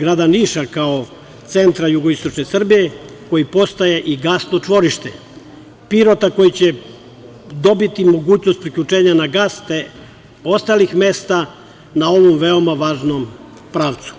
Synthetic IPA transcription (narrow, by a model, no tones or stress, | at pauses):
ɡɾaːd̪aniːʃakao | t̪se̞nt̪ɾajuɡo̞ist̪o̞t͡ʃne̞sr̩bijeko̞jipo̞st̪aje̞ʔiɡasno̞t͡ʂʋo̞ɾiʃt̪ḛ | piɾot̪ako̞jit͡ɕe | d̪o̞bit̪imo̞ɡuːt͡ɕnot̪pɾikʎʲut͡ʃe̞ːɲanaɡast̪e | o̞st̪alixme̞ːst̪a | nao̞ʋo̞mʋeo̞maʋaːʒno̞m | pɾaʋt̪su̥